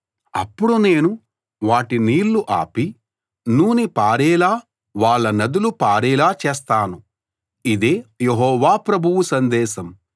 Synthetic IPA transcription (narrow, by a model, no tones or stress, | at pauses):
ɐ̰pːuɽune̞ːnu | ʋaːʈiniːɾluʔa̰ːpi | nuːnipaːɾɛːlaː | ʋaːɭːɐnɐd̪ulupaːɾɛːlaːt͡ʃɛːst̪aːnu | id̪eːjeɦɔːʋaːpɾɐbʱuwusɐnd̪ɛːʃɐm